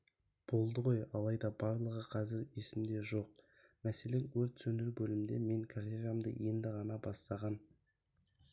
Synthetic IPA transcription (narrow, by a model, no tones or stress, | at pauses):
b̥o̞lˠd̪əʁo̞jɑlˠɑjd̪ɑbɑɾlˠəʁəqʰɑzɪɾe̞sɪmd̪e̞ʒo̞q̚ | mæse̞le̞ŋwɵɾt̪sɵnɪɾbɵlɪmd̪e̞̰me̞ŋkʰaɾeramd̪ə̰je̞nd̪ɪʁɑnɑbɑsːɑʁɑn